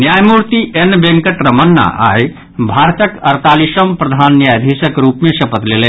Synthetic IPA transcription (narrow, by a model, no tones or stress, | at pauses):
njajmuɾt̪iʔenbẽŋkəʈɾɐmənːa̰ʔa̰j | bʱaɾt̪əkɐɾt̪aːliʃəmpɾɐd̪ʱanːjajd̪ʱisəkɾupmesɐpət̪lele